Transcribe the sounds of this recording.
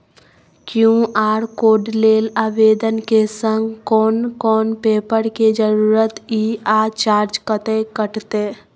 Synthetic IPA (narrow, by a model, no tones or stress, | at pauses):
kjũaːɾkoːɖleːlaːʋeːd̪ənkesə̃ŋɡkɔːnkɔːnpeːpəɾked͡ʒəɾuːɾət̪iːaːt͡ʃaːɾd͡ʒkət̪ekəʈt̪eː